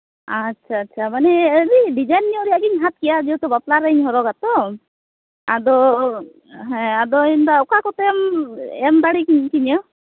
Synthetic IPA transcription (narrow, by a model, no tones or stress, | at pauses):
atːt͡ʃʰaːtːt͡ʃʰamanɛɾiɖid͡ʒajnːiɔɾiaɡiɲɦat̪̚kijad͡ʒiwt̪ɔbaplaɾəiɲɦɔɾɔɡat̪ɔ | a̰d̪ɔ | ɦɛ̃ad̪ɔind̪aɔkakɔt̪ɛmɛmd̪aɽikiɲkiɲɔ